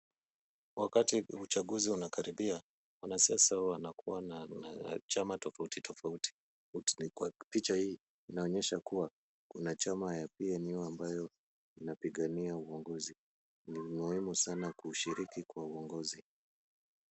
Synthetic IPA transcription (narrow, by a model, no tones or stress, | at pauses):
wakatiut͡ʃaɠuziunakaɾiɓia | wanasiasawanakuwanan̰t͡ʃamatɔfautitʰɔfauti̥ | kwapit͡ʃahiː | inaɔɲɛʃakuwa | kunat͡ʃamajapiɛniɔambajɔ | inapiɠaniauɔŋɡɔzi | nimuhimusanakuːʃiɾikikwauɔŋɡɔzi